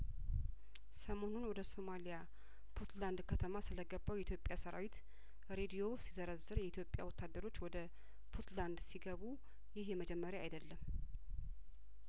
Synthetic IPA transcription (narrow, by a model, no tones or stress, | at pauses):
səmo̞nonwɔd̪əso̞malija | bʰot̪land̪kʰət̪ʰəmasɨləɡəbːawjɛit̪ʰjo̞pʼjasəɾa̰wit̪ | ɾe̞d̪ijo̞sizəɾəzːɨɾjɛit̪jo̞pʼːja̰wɔt̪ʰːad̪ːəɾo̞t͡ʃːwɔd̪ə | bʰut̪land̪siɡəβu | jɪhjɛməd͡ʒɛmːəɾjaa̰jd̪əlːəm